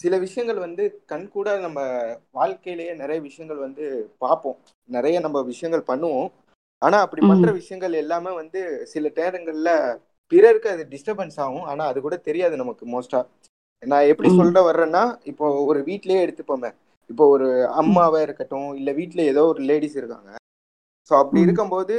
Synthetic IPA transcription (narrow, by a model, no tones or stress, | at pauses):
sɪlɐʋɪʂɐjɐŋɡɐɭʋɐnd̪ɯkɐɳːkuːɽaːðɯnɐmːɐʋaːɻkɐjɪlɐjeːnɪɾɐjɐʋɪʂɐjɐŋɡɐɭʋɐnd̪ɯpaːɾpõː | nɪɾɐjɐnɐmːɐʋɪʂɐjɐŋɡɐɭpɐɳːɯʋʊ̃ | aːnaːɐpːɐɽipɐnɾɐʋɪʂɐjɐŋɡɐɭɛlːaːmeːʋɐnd̪ɯsɪlɐʈɐːɾɐŋɡɐɭɪlɐ | pɪɾɐɾɯkːɐðɯɖɪsʈɐbɐnsaːʋʊ̃aːnaːɐðɯkuːɽɐt̪ɛɾɪjaːðɯnɐmɐkːɯmoːsʈaː | nãːɛpːɐɽisɔlːɾɐʋɐɾɾẽːnːaːɪpːoːɔɾɯʋiːʈːɪlɐjeːɛɽɯt̪ːɯpːoːmẽː | ɪpːoːɔɾɯɐmːaːʋeːɪɾɯkːɐʈːʊ̃ɪlːɐʋiːʈːɪlɐɛðoːɔɾɯleːɽiːsɪɾɯkːa̰ːŋɡɐ | soːɐpːɐɽiɪɾɯkːɐmpoːðɯ